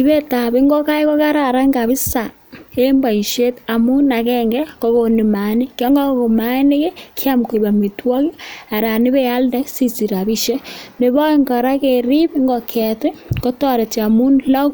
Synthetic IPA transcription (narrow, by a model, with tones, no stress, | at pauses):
i˦βe˦ta˨βi˦ŋɡo˦ka˦i˦ko˦ka˦ɾa˨ɾa˦ŋɡa˨βi˦sa˨ | e˦mba˨i˨ʃe˦ta˨mu˦na˨kɛ˦ŋɡɛ˦ko˦ɣo˨ni˨ma˨ni˦kjo˦ŋɡa˦ko˨ma˦ne˦ke˦kʰja˦mko˨i˨βa˨mi˨twɔ˦ki˦a˨ɾa˨ni˦βe˦a˦lde˦si˦t͡si˨ɾa˨βi˦ʃe˦ne˨βa˦i˦ŋɡɔ˨ɾa˦ke˨ɾi˦βi˦ŋɡo˨kʰɛ˨te˦ko˦tɔ˦ɾe˨t͡ʃa˨mu˦nla˦k